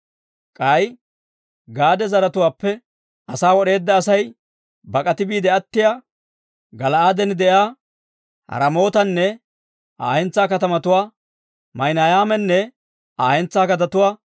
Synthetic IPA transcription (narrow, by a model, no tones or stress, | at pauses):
kʼɐj | ɡaːd̪ɛzɐɾɐt̪ʊwaːpːɛ | ʔɐsaːwɔɗe̞ːd̪ːɐːsɐj | bɐkʼɐt̪ɪbiːd̪ɛɐt̪ːɪjaː | ɡɐlɐaːd̪ɛnd̪ɛjaː | hɐ̰ɾɐmo̞ːt̪ɐnːɛ | a̰ːhɛnt͡sːaːkɐt̪ɐmɐt̪ʊwaː | mɐjnaːjaːmɛnːɛ | aːhɛnt͡sːaːkɐt̪ɐt̪ʊwaː